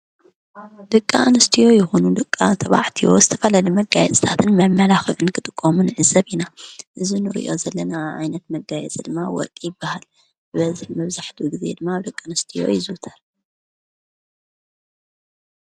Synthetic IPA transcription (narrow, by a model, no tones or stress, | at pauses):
d̪̥ɨkʼːanɨst̪ʰijo̞jɪxunud̪ɨkʼːat̪ʰɐβa̰ʕt̪ʰijo̞̰zɨt̪ʰɐfɐlalimɐɡajɛt͡sʼɨ̥t̪ʰat̪ʰɨnmɐmːɐlaxɨʕɨnkʰɨt̪ʼɨkʼːomunʕɨzɐβinaʔɨzinɨɾḭʔo̞̰zɐlːɐnaʕa̰jnɐt̪mɐɡːajɛ̰t͡sʼid̪ɨmːawɔ̰ɾkʼjɪbːahal | bɨβɐziħmɐβzaħt̪ʰuɡize̞̰d̪ɨmːaβd̪ɨkʼːanɨst̪ʰijo̞̰jɪzɨt̪ʰɐɾ